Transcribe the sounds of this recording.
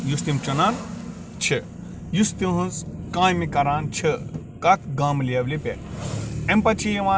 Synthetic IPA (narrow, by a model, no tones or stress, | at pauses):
just̪imt͡ʃɐnaːn | t͡ʃʰi | just̪ĩɦũnskãːjmikɐɾaːnt͡ʃʰi | kɐt̪̚ʰɡɐmliɐblipʲḛ | empɐt͡ʃʰijiʋãː